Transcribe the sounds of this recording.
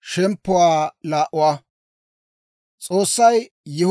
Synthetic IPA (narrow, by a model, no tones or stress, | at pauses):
ʃɛmpːʊwaːlaːʔʊwaː | t͡sʼoːsːɐj | jɛ